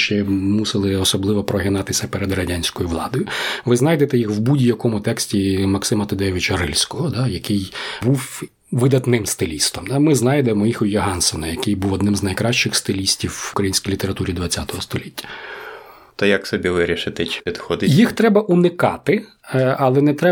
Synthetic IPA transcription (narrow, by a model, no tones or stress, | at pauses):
ʃt͡ʃɛmusɪlˠɪɔsɔblˠɪʋɔpɾɔɦɪnɑt̪ɪsʲɐpeɾed̪rɐdʲanʲsʲkɔjʊʋlˠɑ̰d̪ɔjʊʋɪznɑjd̪et̪ɛjixwbudʲijɐkɔmʊt̪ɛksʲtʲimɐksɪmɐt̪ɔd̪ɛʋʲɪt͡ʃɐrɪlʲsʲkɔɦɔd̪ɑjɐkɪjbuw | ʋɪd̪ɐt̪nɪmst̪ɪlʲist̪ɔmd̪amɪznɑjd̪emɔjixʊjɔɦɑnsɔnɐjɐkɪjbuwɔd̪nɪmznɐjkɾɑʃt͡ʃɪxst̪ɪlʲisʲtʲiwkɾɐjinʲsʲkʲijlʲit̪eɾɐt̪uɾʲid̪ʋɐt͡sʲːat̪ɔɦɔst̪ɔlʲitʲːɐ̥ | t̪ɔjɐksɔbʲiʋɪɾʲiʃɪt̪ɪt͡ʃpʲid̪xɔd̪ɪjixt̪ɾɛbɐʔunɪkɑ̰t̪ɪ | ɐlˠɛnɛt̪ɾɛ